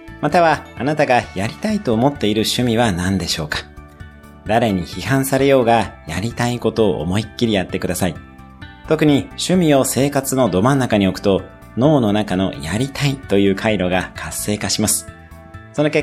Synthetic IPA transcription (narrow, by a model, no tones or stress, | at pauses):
mat̪aβaːnat̪aɡajaɾʲi̥t̪ait̪o̞ːmo̞t̪ːe̞iɾɯ̟ɕɨmʲiβ̞anãnd̪e̞ɕo̞ːkḁ | d̪aɾe̞ɲ̟içihãɰ̃saɾe̞jo̞ːɡajaɾʲit̪aiko̞t̪o̞̰ːʔːmo̞ikʲːiɾʲijat̪ːe̞kd̪asai | t̪o̞kɯ̟ɲ̟iɕɨmʲio̞se̞ːkat͡sɨno̞d̪o̞mãnːakaɲ̟io̞kɯ̟̥t̪o̞ | no̞ːno̞nakano̞̰jaɾʲit̪ait̪o̞jɯ̟ːkʰaiɾo̞ɡakʰasːe̞ːkaɕimasɨ̥ | so̞no̞ke